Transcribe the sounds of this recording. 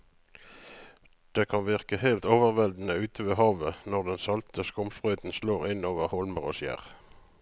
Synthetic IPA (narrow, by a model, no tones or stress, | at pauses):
d̪̥eːkʰɑnʋɪʁkəhæɪlt̪oːʋəʁʋɛld̪n̩əʉːt̪ʰəʋeːhɑːʋənɔʁd̪ɛnsɑlt̪ʰəskʊmsbʁœʏt̪n̩sloːʁɪnoːʋəʁhɔlməʁo̰ːsjæ̰ːʁ